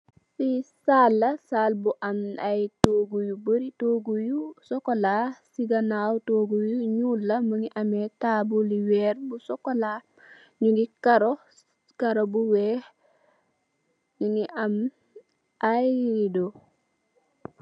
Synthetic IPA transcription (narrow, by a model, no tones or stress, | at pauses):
sisalːɐsaːlbuʔamajtoɡujubəɾitoːɡujusɔkolasiɡanawtoɡujuɲulːɐməŋiʔametaːbuliwɛːɾbusɔkola | ɲuɡikaɾo | kaɾobuweː | nuŋiʔam | ajɾido